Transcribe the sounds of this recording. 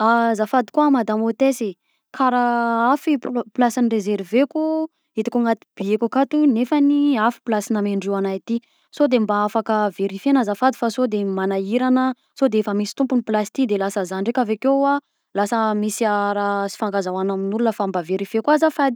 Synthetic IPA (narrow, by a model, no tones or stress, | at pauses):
azafad̪i̥kuamad̪amot̪ese | kʰaɾaafipplasanirezeɾveku | it̪i̥kuŋat̪i̥b̥iekukat̪unefaniafi̥plasinameɳɖ͡ʐianajt̪i | sod̪embaafakəveɾifenazafad̪ifasod̪emanaiɾanə | sod̪eefəmisi̥t̪umpuniplasi̥t̪id̪elasəzaɳɖ͡ʐekʲavekea | lasəmisiaɾasi̥faŋɡazawanaminulunəfambaveɾifekwazafad̪i